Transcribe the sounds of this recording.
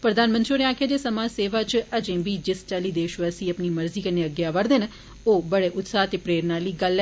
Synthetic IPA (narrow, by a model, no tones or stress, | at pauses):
pɾəd̪aːnmə̃nt̪ɾioːɾeãːkʰjãːd͡ʒ̪eːsəmãːseːʋaːt͡ʃəd͡ʒẽːbiːd͡ʒɪst͡ʃaːliːd̪eːʃʋasĩːəpniːməɾziːkəneːəɡjaːʋəɾd̪eːn | oːbəɽeːʔʊt̪saːt̪eːpɾeːɾnaːliːɡəl